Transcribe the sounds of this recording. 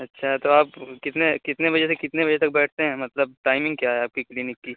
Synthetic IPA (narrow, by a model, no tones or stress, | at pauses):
ɐtːʃʰat̪oaːpkɪt̪nekɪt̪neʋɐd͡ʒɛsekɪt̪neʋɐd͡ʒɛt̪ɐk̚bɛːʈʰt̪eɦɛ̃ːmɐt̪ləb̚ʈaːɪmɪ̃ŋɡ̚kjaɦɛaːp̚kiklɪnɪkːiː